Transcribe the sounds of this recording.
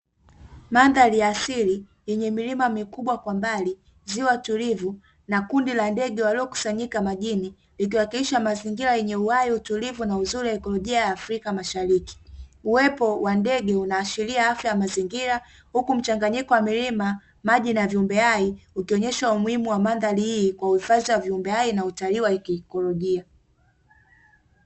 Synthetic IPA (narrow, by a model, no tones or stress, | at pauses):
manðaliasili | jɛɲɛmilimamikuɓwakwambali | ziɔwatulivu | nakundilandɛɠɛwaliɔku̥saɲikamaʄini | lik̬iwakiliʃamaziŋɡiɾajɛɲɛuwaiutulivunauzuɾujaɛkɔlɔʄiajaːfɾikamaʃaɾiki̥uwɛpɔwandɛɡɛunaːʃiliaafjajamaziŋɡiɾa | hukum̩t͡ʃaŋɡaɲikɔwamilima | maʄinaviumbɛaiukiɔɲɛʃaumuimuwamandalihiːkwauifaziwaviumbɛainautaliwakːkɔlɔʄia